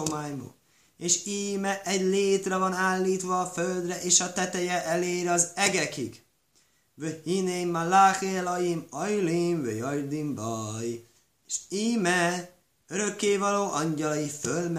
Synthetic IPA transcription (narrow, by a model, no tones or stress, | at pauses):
omaːjmo̰ː | eːʃiːmɛʔɛɟleːt̪rɛvɒnaːlːiːt̪ʋɒːføld̪rɛʔeːʃɒt̪ɛt̪ɛjɛʔɛleːɾɒzɛɡɛkḭɡ | vøhinemːalaxeːlɒjimɒjlimvøjɒjrd̪imbɒj | eʃiːmɛ | øɾø̞kːeːvɒloːʔɒɲɟɒlɒjifølm